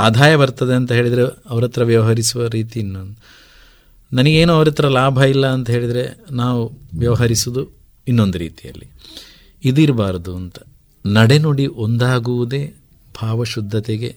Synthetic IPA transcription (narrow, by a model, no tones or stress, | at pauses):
aːd̪ʱaːjɐbɐɾt̪ɐd̪e̞ɐnt̪ɐɦeːɭid̪ɐɾeɐʋɐɾɐt̪ɾɐʋjɐʋɐɦɐɾisuʋɐɾiːt̪iːnːond̪u | nɐnɐɡe̞ːnuɐʋɐɾɐt̪ɐɾɐlaːbʱɐilːɐːnt̪ɐɦe̞ːɭid̪ɐɾe̞naːʋuʋjɐʋɐɦɐɾisud̪u | inːo̞nd̪uɾḭːt̪ijɐ̰lːi | id̪iɾbaːɾɐd̪uɐnt̪ɐ̥ | nɐɽe̞noɽiʔo̞nd̪aːɡuʋud̪e̞ː | bʱaːʋɐʃud̪ʱːɐt̪eɡe̞̰